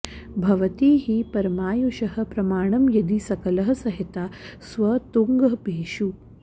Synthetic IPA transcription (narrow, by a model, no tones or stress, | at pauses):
bʱɐʋɐt̪iːɦipɐɾɐmaːjuʃɐɦɐ̆pɾɐmaːɳɐmjɐd̪isɐkɐlɐɦɐ̆sɐɦit̪aːsʋɐt̪uŋɡɐɦbʱeːʃu